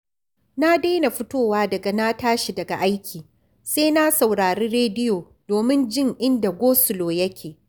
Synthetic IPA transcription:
na˦deː˦na˨ɸʊ˦toː˦waː˦dɐ˨ɡa˨na˦taː˦ʃi˨dɐ˨ɡa˨ʔa˦jkʲʰiː˨ | seː˦na˦sa˨wɽaː˨ɾiː˦ɽeː˦dɪ˦joː˨ | doː˨mɪ˦nd͡ʒɪ˦ŋʔɪ˦nda˨ɡʷoː˦sʊ˨loː˨jɐ˦kʲʰeː˨

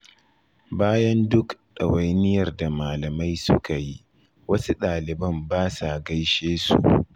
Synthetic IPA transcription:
baː˦jɐ˦ndʊ˦kɗɐ˨wa˨jnɪ˦jɐ˨rda˨maː˨lɐ˨ma˦jsʊ˦ka˨ji˦ | wɐ˦su˦ɗaː˨lɪ˨bɐ˦mbaː˦sa˨ʔɡa˦jʃeː˦sṵ˨ʔ

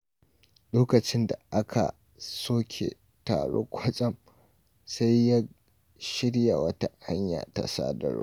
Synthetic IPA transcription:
loː˦kɐ˨t͡ʃɪ˦nda˨ʔa˦kʰa̰˨ | soː˦kʲʰḛ˨ | taː˨ɽoː˦kʷʰɐ˦t͡ʃʼɐ˦˨m | sa˦jːa˦ | ʃɪ˦ɽja˨wɐ˦ta˦ha˦ɲja̰ː˨ta̰˨sa̰ː˦dɐ̰˨ɾ̰

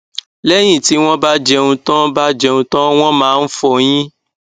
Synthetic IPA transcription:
lɛ˦j̃ĩ˦˨ti˨˦w̃ɔ̃˦ba˦d͡ʒɛ˧ũ˧tɔ̃˦ba˦d͡ʒɛ˧ũ˧tɔ̃˦w̃ɔ̃˦mãː˦fɔ˧˨j̃ĩ˦

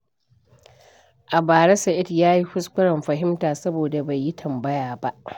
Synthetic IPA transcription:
ʔa˨baː˨ɾɐ˦sɐ˨ʔɪ˦tjaː˦ji˦ɸʊ˦skʷʊ˦ɽɐ˨mɸɐ˨ɦɪ˦mtaː˨sɐ˦boː˨da˨ba˨jːi˦tʰɐ˨mbɐ˦jaː˨ba˦ʔ

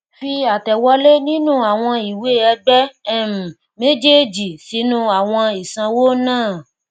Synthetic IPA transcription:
fi˧a˨tɛ˨wɔ˧˦le˦nĩ˦nũ˦a˨w̃ɔ̃˧i˨we˦ɛ˧ɡ͡bɛ˦m̩˨ | me˦d͡ʒe˦d͡ʒi˨si˨˦nũ˦a˨w̃ɔ̃˧i˨sã˧wo˦nãː˦˨

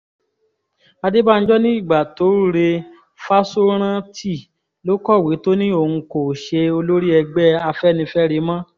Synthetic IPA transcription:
a˧de˦ba˦n̩˦d͡ʒɔ˦nĩ˦i˦˨ɡ͡ba˨to˨˦ɾɾe˧ | fa˦so˦ɾ̃ã˦tʰi˦˨ | lo˨˦kɔ˦˨we˨˦to˦nĩ˦o˦˨ũ˧ko˨ʃe˧o˧lo˦ɾi˦ɛ˧ɡ͡bɛ˦a˧fɛ˦nĩ˧fɛ˦ɾe˨˦mã˦

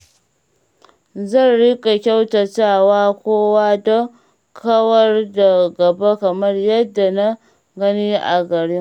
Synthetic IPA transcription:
zɐ˦˨nɽɪ˦kʼa˨kʲa˦wtɐ˨t͡ʃaː˦˨waː˦kʷoː˦waː˦dɐ˦ | kʰɐ˦wɐ˦rda˨ɡɐ˨ba˦kɐ˨mɐ˦rjɐ˦dːa˨na˦ | ɡɐ˦niː˦ʔa̰˨ɡɐ˨ɽɪ˦ŋ

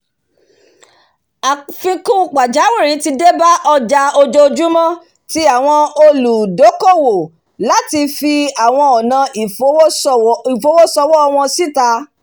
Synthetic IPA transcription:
a˨fĩ˧kũ˦˧˦k͡pa˨d͡ʒa˨˦wi˦˨ɾĩ˨˦ti˧de˦ba˦ʔɔ˧d͡ʒa˧o˧d͡ʒo˧d͡ʒu˦mɔ̃˦ | ti˧˦a˦˨w̃ɔ̃˧o˧lu˨do˨˦ko˦˨wo˨ | la˨˦ti˧fi˧a˨w̃ɔ̃˧ɔ˨nã˨˧i˨˦i˨fo˨˦wo˦sɔ˧wɔ˦ɔ˧w̃ɔ̃˧si˦˨ta˨˧˦

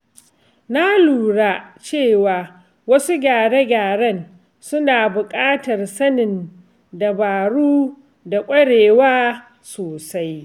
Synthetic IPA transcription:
na˦luː˨ɽa˦t͡ʃeː˦˨waː˨ | wɐ˦su˦ɡʲaː˨ɽe˦ɡʲaː˨ɽɐ˦˨n | sʊ˦naː˨bʊ˨kʼaː˦tɐ˨rsɐ˦nɪ˨n | da˨baː˨ɽuː˦ | da˨kʷʼɐ˦ɽeː˨waː˦ | soː˨sa˦j

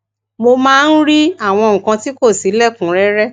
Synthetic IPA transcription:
mo˧mãː˦˧n̩˦ɾi˦a˦˨w̃ɔ̃˧ŋ̩̃˨kã˧ti˦ko˦˨si˨˦lɛ˦˨kũ˨˦ɾɛ˦ɾɛ˦

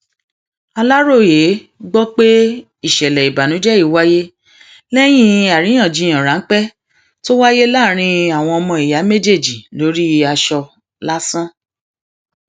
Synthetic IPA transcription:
a˧la˦ɾo˦˨je˨˦ɡ͡bɔ˦k͡pe˦ | i˦˨ʃɛ˨lɛ˨i˨ba˨nũ˨˦d͡ʒɛ˦i˦˨wa˦je˦ | lɛ˦j̃ĩ˦a˨ɾĩ˨˦ã˦˨d͡ʒi˨˧j̃ã˨ɾa˨˦n̩˦k͡pɛ˦ | to˦wa˦je˦la˦˨ɾ̃ĩ˧a˨w̃ɔ̃˧ɔ˧mɔ̃˧i˨ja˨˦me˦d͡ʒe˦˨d͡ʒi˨lo˨˦ɾi˦a˧ʃɔ˧ | la˦sã˦

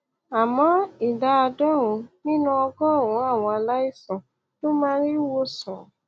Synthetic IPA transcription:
a˨mɔ̃˨˦i˨da˧˦a˧dɔ˦˨ɾũ˨˧nĩ˦nũ˧˦ɔ˧ɡɔ˦˨ũ˨˦a˦˨w̃ɔ̃˧a˧la˦i˦˨sɔ̃˨ | to˦mãː˦ɾi˦wo˦sɔ̃˨

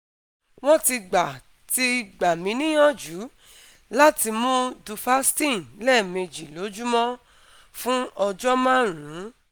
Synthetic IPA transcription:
w̃ɔ̃˦ti˧ɡ͡ba˨ | ti˧ɡ͡ba˨mĩ˨˦nĩ˦jɔ̃˦˨d͡ʒu˨˦ | la˦ti˧mõ˦du˧fa˦stĩ˦˨lɛ˦˨me˧d͡ʒi˨lo˨˦d͡ʒu˦mɔ̃˦ | fũ˦ɔ˧d͡ʒɔ˦mãː˦˨ɾ̃ũ˨˦

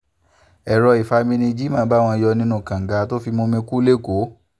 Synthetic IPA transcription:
ɛ˨ɾɔ˧i˨fa˧mĩ˧nĩ˧d͡ʒi˦mãː˦˨˦ba˦˨w̃ɔ̃˧jɔ˧nĩ˦nũ˦˨kã˨ŋ̩˨ɡa˧to˦fi˧mõ˧mĩ˧ku˦le˦˨ko˨˦

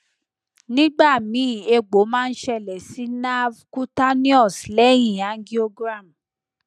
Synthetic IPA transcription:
nĩ˦ɡ͡ba˦˨mĩ˨˦˨e˧ɡ͡bo˨˦mãː˦˧n̩˦ʃɛ˧˨lɛ˨si˨˦na˦vku˦ta˦nĩ˦ɔ˦˨slɛ˦jĩ˨ã˨˦ɡi˦o˧ɡɾa˦˨m̩˨

